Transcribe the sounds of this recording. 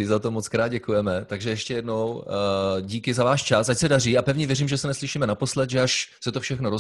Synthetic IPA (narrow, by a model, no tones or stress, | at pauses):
ɪzat̪o̞mot͡skɾaːd̪̚ɟɛkujɛmɛt̪aɡʒɛjɛʃcɛjɛdno̞w | ɟiːkɪzavaːʃt͡ʃasʔacsɛdariːapɛvɲɛvjɛɾiːmʒɛsɛnɛslɪʃiːmɛnapo̞slɛt̪ʒɛaʃsɛt̪ofʃɛxnoɾo